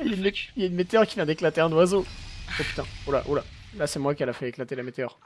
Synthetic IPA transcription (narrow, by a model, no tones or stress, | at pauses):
janiljaynmet̪eœʁkʲivjɛ̃d̪eklat̪eɛ̃nwazoopy̥t̪ɛ̃ula̰ʔula̰lasɛmwakɛlafɛeklat̪elamet̪eœʁ